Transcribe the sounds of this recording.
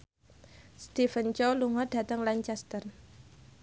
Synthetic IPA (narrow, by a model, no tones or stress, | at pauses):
st̪ifənt͡ʃɔluŋɔd̥ä̤t̪əŋlaɲt͡ʃɛst̪ər